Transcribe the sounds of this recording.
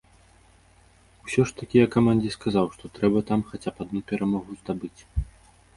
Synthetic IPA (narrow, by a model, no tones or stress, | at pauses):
wsʲɔʂt̪ɐkʲijɐkːamanʲd͡zʲiskazawʂt̪ɔt̪ɾɛbɐt̪amxat͡sʲapad̪̚nupʲɛɾamɔɣuzd̪abɨt͡sʲ